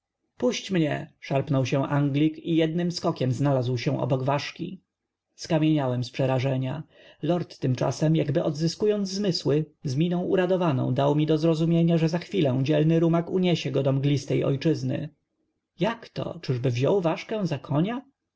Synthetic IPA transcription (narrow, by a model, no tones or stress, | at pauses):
puɕt͡ɕmɲɛ̰ʂaɾpnɔwɕɛ̃ʔaŋɡlʲikijɛd̪̚nɘmskɔkʲɛmznalazwɕɛ̃ʔɔ̰bɔɡvaʂkʲḭ | skamʲjeɲawɛmspʂɛɾaʐɛɲa | lɔɾt̪ːɘmt͡ʂa̰sɛmjaɡbɘʔɔd̪zɘskujɔnd̪zzmɘswɘzmʲinɔ̃w̃ʔuɾad̪ɔvanɔ̰̃w̃d̪awmʲid̪ɔzɾɔzumʲjeɲaʐɛzaxfʲilɛ̃w̃d͡ʑɛlnɘɾumakuɲɛɕɛɡɔd̪ɔmɡlʲist̪ɛjʔɔ̰jt͡ʂɘznɘ̰ | jakt̪ɔ̰t͡ʂɘʐbɘvʑɔwvaʂkɛ̃w̃zakʰɔɲa